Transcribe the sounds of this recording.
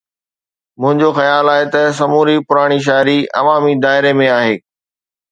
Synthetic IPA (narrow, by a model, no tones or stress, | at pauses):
mʊ̃ɦɪ̃ɲd͡ʑoxɐjaːlaːɦet̪ɐs̬ɐmuːɾipʊɾaːɽ̃iʃ̬aːɾiɐ̰ʋaːmid̪aːɪɾemẽaːɦeː